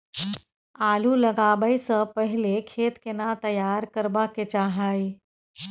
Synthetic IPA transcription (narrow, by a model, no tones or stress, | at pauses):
aːluləɡabəjsə̃pəɦilekʰet̪kenat̪əjaɾkəɾbaket͡ʃaɦəj